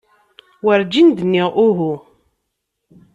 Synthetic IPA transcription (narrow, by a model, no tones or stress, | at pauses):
wəɾd͡ʒind̪nːiʔʊɦu